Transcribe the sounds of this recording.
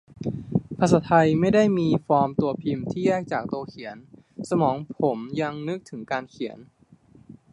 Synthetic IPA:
pʰa˧˥saː˩˦t̪ʰa˧jma˥˩jda˥˩jmiː˧fɔː˧mt̪u˧ɐpʰi˧mt̪ʰiː˥˩jɛː˥˩k̚t͡ɕaː˨˩k̚t̪u˧ɐkʰi˨˩˦ən | sa˧mɔː˩˦ŋpʰo˩˦mja˧ŋnɯ˦˥k̚t̪ʰɯ˩˦ŋkaː˧nkʰi˨˩˦ən

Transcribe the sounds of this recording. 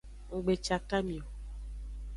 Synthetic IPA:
ŋ̩˨ɡ͡be˨t͡ʃa˨ka˦mĩ˨o˨

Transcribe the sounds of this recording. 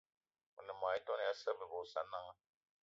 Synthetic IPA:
u˨nə˨ma˨i˦tɔ˦n˨ja˦sə˦bə˨bo˨sa˨˦nːa˦ŋa˦

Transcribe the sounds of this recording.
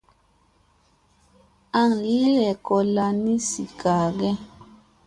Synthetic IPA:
a˨ŋli˦lɛ˨kɔ˨la˨ni˦si˨ka˨ɡɛ˦

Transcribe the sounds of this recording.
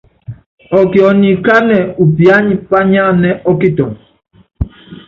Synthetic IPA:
ɔ˨ki˨ɔ˨ni˨ka˦nɛ˨u˨pja˦ɲi˨pa˦ɲa˦˨nɛ˦ɔ˦ki˦tɔ˨n

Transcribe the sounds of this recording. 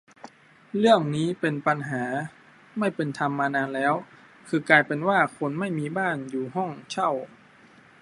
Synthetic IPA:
lɯ˥˩əŋniː˦˥pe˧npa˧nɦaː˩˦ | ma˥˩jpe˧nt̪ʰa˧mːaː˧naː˧nlɛː˦˥w | kʰɯː˧kaː˧jpe˨˧nwaː˥˩kʰo˧˥nma˥˩jmiː˧baː˥˩njuː˨˩ɦɔ˥˩ŋt͡ɕʰa˥˩w

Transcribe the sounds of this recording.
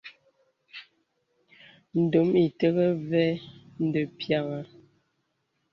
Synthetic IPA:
n̩˨do˨˦mi˨tə˦ɣə˦vɛ˦n̩˨də˨pja˦˨ɣa˨

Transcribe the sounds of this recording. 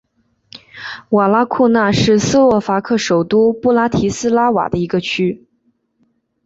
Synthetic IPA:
wa˨˩la˥kʰu˥˧na˥˧ʂɻ̩˥˩s̩˥wɔ˥˩fa˧˥kʰɤ˥˩ʂo˨˩ʊt̪u˥pu˥˩la˥t̪ʰi˧˥sɹ̩˥la˥wa̰˨˩d̪ə˦i˧˥ɡə˧t͡ɕʰy˥

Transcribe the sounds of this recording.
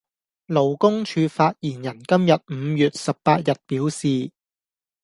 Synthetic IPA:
lo˨˩wkʊ˥ŋt͡ʃʰyː˨˧faː˧t̚jiː˨˩njɐ˨˩nkɐ˥mjɐ˨t̚m̩ː˨˧jyː˨t̚sɐ˨p̚ːpaː˧t̚jɐ˨t̚piː˨˥wsiː˨

